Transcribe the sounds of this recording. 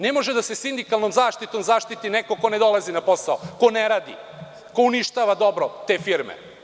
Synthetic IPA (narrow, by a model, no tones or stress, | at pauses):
ne̞mo̞ʒed̪asesind̪ikalˠnomzaːʃt̪it̪o̞mzaːʃt̪it̪ineko̞ko̞ne̞d̪o̞lˠazinapo̞saokoneɾaːd̪ḭ | ko̞uniʃt̪aːʋad̪o̞bɾot̪e̞ːfiɾmḛ